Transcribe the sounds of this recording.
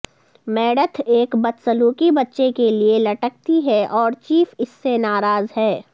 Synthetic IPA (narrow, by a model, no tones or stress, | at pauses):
mɛːɽət̪ʰeːkbɐt̪sɐluːkibɐtːʃekelielɐʈək̚t̪iɦɛʔɔːɾt͡ʃiːfɪsːenaːɾaːzɦɛː